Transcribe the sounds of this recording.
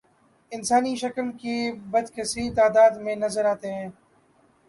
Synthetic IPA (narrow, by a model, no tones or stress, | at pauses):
ɪnsaːniʃəkəlkiːbəd̪kʰeːsit̪aːd̪aːd̪mẽːnəzəɾaːt̪eɦɛ̃ː